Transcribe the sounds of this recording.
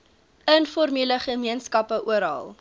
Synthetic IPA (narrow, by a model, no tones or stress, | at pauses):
ənfɔrmiləχəmiənskɐpəʔuəɾɦɑ̰lˠ